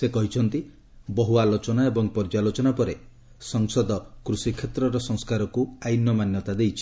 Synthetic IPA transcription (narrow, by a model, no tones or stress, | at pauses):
sekɔɦit͡ʃʰɔnt̪i | bɔɦualot͡ʃɔnaebɔŋpɔɾd͡ʒalot͡ʃɔnapɔɾe | sɔŋsɔd̪ɔkɾusikʰːet̪ɾɔɾɔsɔŋskaɾɔkuajnjɔmanjɔt̪ad̪ejt͡ʃʰi̥